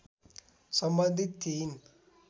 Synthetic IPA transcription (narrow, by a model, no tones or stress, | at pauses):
sɐmbɐnd̪ʱit̪ːiːn